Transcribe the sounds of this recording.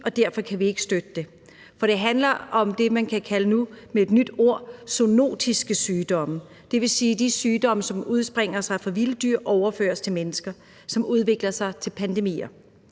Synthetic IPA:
ʔɒ̽d̥æɐfɒ̽kʰæʋie̝ɡ̥ə̥sd̥ød̥əd̥e̝ | fɒ̽ɾ̥e̝ɦænlɐʔɒ̽md̥e̝mænkʰækʰælənumeed̥nyd̥o̝ɐ̰sono̝̰ːd̥isɡ̥əsyːd̥ɒ̽mə | d̥e̝ʋe̝siːd̥isyːd̥ɒ̽məsɒ̽muð̞ˠsb̥ʁeŋ̰ɐsɑ̈ɪfʁɑ̈ʋiləd̥yɐ̰ʔɒʊɐfø̰ːɐst͡sʰe̝lmenəsɡ̥ɐ | sɒ̽mʔuð̞ˠʋe̝ɡ̥lɐsɑ̈ɪt͡sʰe̝lpʰænd̥e̝mḭːɐ

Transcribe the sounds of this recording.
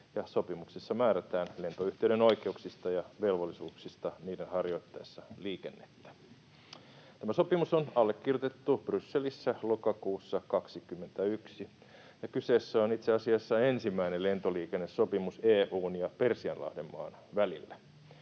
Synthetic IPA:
jɑso̞pimuksesːɑmæːɾæt̪æːnle̞nt̪oyht̪eyɾeno̞ikeuksist̪ɑjɑʋe̞lʋolːisuːksist̪ɑniːdenhɑrjo̞it̪ːɑjisːɑliːkenːet̪ːæ̥ | t̪æmæso̞pimusonɑlːekːirjot̪et̪ːub̥rysːelisːælokɑkuːsːɑkɑksikymːent̪æyksi | jɑkyseːsːæonit̪seɑsiɑsːɑensimːæinellent̪oliːkenːessopimuseːʔuːnjɑpersiɑnlɑ̰hdemːɑ̰ːn | ʋælilːæ

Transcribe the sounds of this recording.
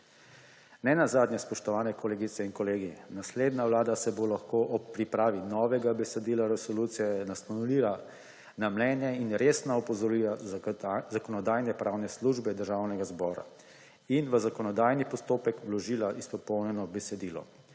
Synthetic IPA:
nɛnazaːd̪njɛspɔʃt̪ɔʋaːnɛkɔleːɡit̪sɛinkɔleːɡinasleːd̪naʋlaːd̪asɛbolaxkoʔɔpːɾipɾaːʋinɔːʋɛɡabɛsɛd̪iːlaɾɛsɔlut̪sijɛnasnɔnuliɾa | namlɛnjɛinɾeːsnaɔpɔzɔɾila | zakɔnɔd̪aːjnɛpɾʔawnɛsluʒbɛd̪əɾʒaːwnɛɡazbɔːɾa̰ | inʋəzakɔnɔd̪aːjnipɔst̪oːpɛkʋlɔʒiːlaʔispɔpɔwnɛnɔbɛsɛd̪iːlɔ̰

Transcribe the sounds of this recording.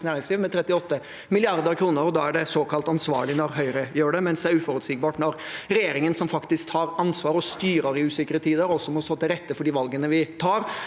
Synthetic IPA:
næːɾɪŋsliːʋmɛt̪ʰɾɛt̪ːɪɔt̪ːə | mɪlɪɑɾd̪əɾkʰɾuːnəɾɔd̪ɑːæɖɛsoːkɑlt̪ɑnsʋɑ̰ːɭɪnɔɾɦœʏɾəjøːɖɛmɛnsd̪ɛæɾʉːfɔɾʉt̪siːɡ̚bɑːʈnɔɾɾɛjeːɾɪŋənsɔmfɑkt̪ɪskt̪hɑːɾɑnsʋɑːɾɔst̪yːɾəɾɪʉːsɪkəɾət̪ʰiːd̪əɾɔsːɔmɔst̪oːt̪ɪlɾɛt̪ːəfɔɖiːʋɑlɡənəʋɪt̪ʰɑːɾ

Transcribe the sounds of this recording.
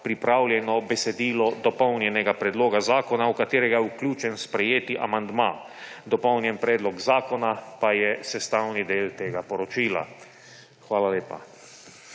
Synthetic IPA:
pɾipɾaːwljɛnɔbɛsɛd̪iːlɔd̪ɔpɔwnjɛnɛɡapɾɛd̪loːɡazaːkɔnaukat̪eːɾɛɡajɛukljuːt͡ʃɛnspɾɛjeːt̪iʔa̰mand̪ma | d̪ɔpɔwnjɛnpɾɛːd̪lɔkzaːkɔnapajɛsɛst̪aːwnid̪eːlt̪eːɡapɔɾɔt͡ʃiːla̰ | xʋaːlaleːpa̰

